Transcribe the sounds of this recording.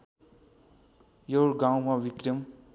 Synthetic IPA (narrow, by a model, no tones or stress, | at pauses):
jorɡawmawikrʌm